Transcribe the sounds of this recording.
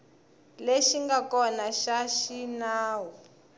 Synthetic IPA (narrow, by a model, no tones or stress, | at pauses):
leʃiŋɡakɔnaʃaʃinaːwu